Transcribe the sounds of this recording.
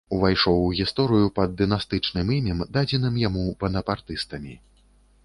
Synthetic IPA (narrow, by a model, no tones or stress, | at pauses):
uvajʂɔwɣʲist̪ɔɾɨjupɐd̪ːɨnast̪ɨt͡ʂnɨmimʲɛmd̪ad͡zʲɛnɨmjamubɐnɐpart̪ɨst̪ɐmʲi